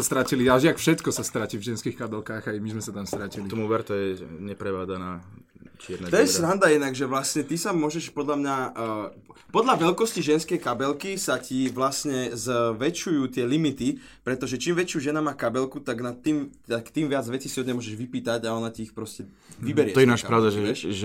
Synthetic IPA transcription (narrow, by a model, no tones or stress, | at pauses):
ast̪ɾaciliaʒɪakfʃɛt̪kɔsast̪ɾacivʒɛnskiːxkabɛlkaːɣajmizmɛsat̪amst̪ɾaciliɔmuʋɛɾt̪ɔjɛɲɛpɾɛʋaːd͡zanaː | t͡ʃɪɛɾnɛtt̪ɔjɛsɾand̪ajɛd̪naɡʒɛʋlasɲɛt̪isamʊɔʒɛʃpɔd̪ʎamɲa | pɔd̪ʎaʋɛlkɔsciʒɛnskɛjkabɛlkisaciʋlasɲɛzʋɛt͡ʃujuːt̪ɪɛlimit̪i | pɾɛt̪ɔʒɛt͡ʃiːmʋɛt͡ʃɪuːʒɛnamaːkabɛlkut̪aɡnat̪ːimakt̪iːmʋɪad͡zʋɛt͡sisiɔd̪ɲɛmʊɔʒɛʒʋipiːt̪aɟaɔnaciːxpɾɔscɛ | ʋibɛɾɪɛɔjɛnaʃpɾaʊd̪aʒɛɛʒɛ